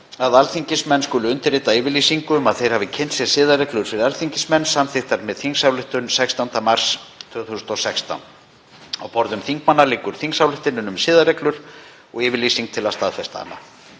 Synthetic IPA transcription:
aðalθiɲcɪsmɛnːskʏːlʏʏnt̪ɪɾrːeːt̪aɪːvɪɾliːsiŋkʏmaðθejɾ̥havɪcʰɛnt̪sjɛ̥sɪːðarɛklʏɾ̥fɪɾɪðalθiɲcɪsmɛnːsamθɪxt̪aɾmɛðθiŋsawlɪht̪ʏnsɛkst̪ant̪amar̥st̪ʰvʏːθuːsʏnt̪ɔsɛkst̪a̰n | awpɔɾðʏmθiŋkmanːaliːkʏɾ̥θiŋksawlɪht̪ɪnːʏnʏmsɪːðarɛklʏɾ̥ | ɔɣɪːvɪɾliːsiŋk̚t̪ʰɪlast̪aːðfɛst̪a̰ːnːa̰

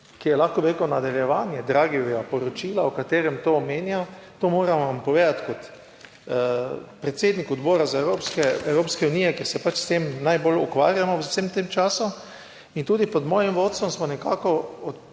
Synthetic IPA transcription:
kijɛlaxkɔbiɾekunad̪ɛljɛʋaːnjɛd̪ɾaːɡiɛɡapɔɾɔt͡ʃiːlaɔkat̪eːɾɛmt̪oːmeːnjat̪oːmoːɾaʋampɔʋeːd̪at̪kɔt̪ | pɾɛt̪seːd̪nikɔd̪boːɾazaewɾoːpskɛɛwɾoːpskɛuniːjɛkjeɾsɛpat͡ʃst̪emnajbolukʋa̰ːɾjamɔwsemt̪emt͡ʃaːsu | int̪uːd̪ipɔd̪mɔːjimʋoːt̪̚sɔmsmɔnɛkaːkɔɔt̪

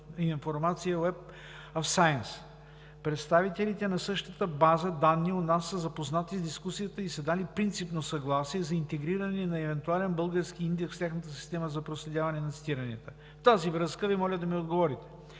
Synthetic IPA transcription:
infoɾmat̪sijəɛp | ɐfsajəns | pɾɛt̪st̪avit̪ɛlit̪ɛnɐsɤʃt̪ət̪əbazəd̪anːionasːəzɐpoznat̪izd̪iskusijət̪əisɐd̪alipɾint̪sipnosɐɡlˠasiɛzɐint̪ɛɡɾiɾənɛnɐɛvɛnt̪ualɛnbɤlˠɡəɾskiind̪ɛksft̪ʲjaxnət̪əsi̥st̪ɛməzɐpɾoslɛd̪ʲjavɐnɛnɐt̪si̥t̪iɾɐnɛt̪ə | ft̪azivɾɤskəvimɔlʲəd̪ɐmiod̪ɡovɔɾit̪ɛ̥

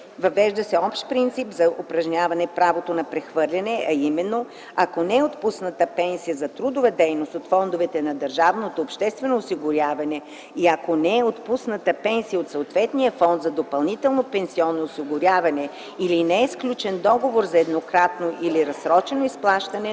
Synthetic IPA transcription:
vɐvɛʒd̪əsɛɔpʃt̪̚pɾint̪sipzɐʔopɾɐʒɲʲavɐnɛpɾavot̪onɐpɾɛxvɤɾlʲɐnɛʔɐimɛnːo | ɐkonɛɛot̪pusnət̪əpɛnsijəzɐt̪ɾud̪ʊvəd̪ɛjnost̪ot̪fɔnd̪ovɛt̪ɛnɐd̪ɐɾʒavnot̪oːpʃt̪ɛst̪vɛnoːsiɡʊɾʲjavɐnɛ | iɐkonɛːot̪pusnət̪əpɛnsijəot̪soot̪vɛt̪nijəfɔnd̪zɐd̪opɐlˠnit̪ɛlˠnopɛnsiɔnːoːsiɡʊɾʲavɐnɛ | ilinɛɛsklʲut͡ʃɛnd̪ɔɡovoɾzɐɛd̪nokɾat̪noʔiliɾɐsɾɔt͡ʃɛnoisplˠaʃt̪ɐnɛ

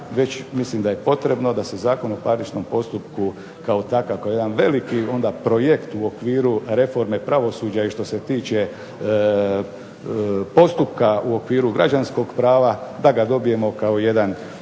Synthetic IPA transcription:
ʋe̞t͡ɕmislimd̪aje̞po̞t̪ɾe̞bno̞d̪ase̞zaːko̞nopaɾlit͡ʃno̞mpo̞st̪upku | kaot̪akakaojed̪anʋe̞likio̞nd̪apɾo̞je̞kt̪uo̞kʋiːɾuɾe̞fo̞ɾme̞pɾaʋo̞suːd͡ʑaiʃt̪o̞se̞t̪iːt͡ɕe̞ | po̞st̪upkauo̞kʋiːɾuɡɾa̰d͡ʒansko̞ɡpɾaːʋad̪aɡad̪o̞bije̞mo̞kaoje̞d̪an

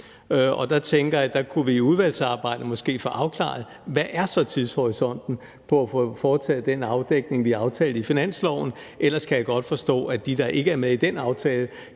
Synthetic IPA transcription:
ɒ̽d̥ɑ̈t͡sʰeŋɡ̥ɐjɑ̈d̥ɑ̈kʰuʋiːuð̞ˠʋæl̰sɑ̈ːb̥ɑ̈ɪ̰d̥əmɒ̽sɡ̥e̝̰ːfɔʔɑ̈ʊkʰlɑ̰̈ð̩ˠ | ʋæʔæɐsɒ̽t͡sʰið̞ˠshɒʁisɒ̽n̰d̥n̩ | pʰɒ̽æfɔfɒːt͡sʰɛ̰ːð̩ˠd̥enɑ̈ʊd̥eɡ̥̚ne̝ŋʋiɑ̈ʊt͡sʰɛːl̩ˠifinæn̰slɒʊ̰n̩ | ʔel̰ɐskʰæjɑ̈ɡ̥ɒ̽d̥fɒ̽sd̥ɔ̰̽ːæd̥id̥ɑ̈ʔe̝ɡ̥əæɐmeðˠid̥enɑ̈ʊt͡sʰɛːlə

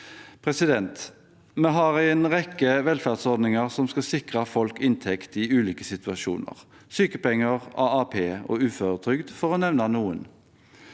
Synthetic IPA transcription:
pʰʁɛsɪd̪ɛnt̪ | mɛɦɑʁɛɛnʁɛkːəʋɛlfæʁd̪sɔd̪nɪŋəʁsɔmskɑsɪkʁɑfɔlkɪnt̪ʰɛkt̪ɪʉːliːkəsɪt̪ʉɑʃṵːnə̰ʁ | syːkəpɛŋːəʁɑːɑpʰeːo̰ːʉːføɾət̪ʰʁʏɡd̪fɔʁoːnɛʋnɑnuːən

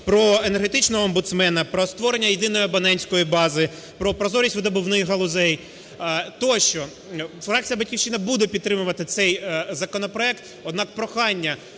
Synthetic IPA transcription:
pɾɔenerɦet̪ɪt͡ʃnɔɦɔːmbʊt̪smɛnɐpɾɔst̪ʋɔɾenʲːɐjed̪ɪnɔjiɔbɐnɛnʲsʲkɔjibɑzɪ | pɾɔpɾɔzɔɾʲisʲtʲʋɪd̪ɐbʊwnɪjɦɐlˠʊzɛj | t̪ɔʃt͡ʃɔ | fɾɑk̚t͡sʲijɐbɐtʲkʲiwt͡ʃːɪnɐbud̪epʲid̪̚t̪ːɾɪmʊʋɐt̪ɪt̪sɛjzɐkɔnɔpɾɔɛk̚t̪ | ɔd̪nɑk̚pɾɔxɑnʲːɐ

